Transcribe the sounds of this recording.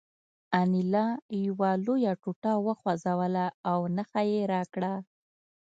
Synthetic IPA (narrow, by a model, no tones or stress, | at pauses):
anilɑjawalojaʈuʈawəxwazawəlaːwnəxajeɾɑkɽa